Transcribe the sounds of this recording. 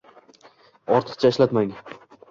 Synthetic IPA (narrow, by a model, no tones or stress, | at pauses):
ɒɾt̪ʰɨ̥qt͡ʃʰaɪʃlat̪maŋ